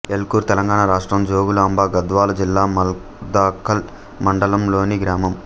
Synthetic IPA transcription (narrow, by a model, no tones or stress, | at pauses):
elkuːɾt̪ɛlɐŋɡaːɳaɾaːʂʈɾɐmd͡ʒoːɡulaːmbaːɡɐd̪ʋaːlɐd͡ʒilːaːmɐl | d̪aːkʰːɐl | mɐɳɖɐlɐmlo̞ːniɡɾaːmɐm